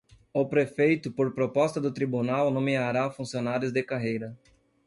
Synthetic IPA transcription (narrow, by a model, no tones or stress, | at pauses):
ʊpɾefejt̪ʊpoɾpɾopɔst̪ɐd̪ʊt̪ɾibunawnõmeaɾafũsionaɾjʊzd̪ɪkaɦejɾɐ